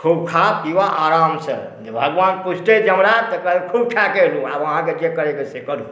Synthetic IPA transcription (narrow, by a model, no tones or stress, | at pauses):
kʰubkʰat̪iʋaʔaːɾamsə̰ | bʱəɡʋaːnpusʈed͡ʒəmɾat̪əkəekʰub̚kʰjakelũa̰bəɦãked͡ʒekəɾekesekəɾũ